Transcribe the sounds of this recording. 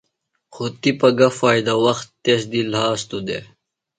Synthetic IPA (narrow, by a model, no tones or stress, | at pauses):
xot̪ipɐɡɐfaːjd̪ɐwɐxt̪ːesd̪ilhaːst̪ud̪ḛ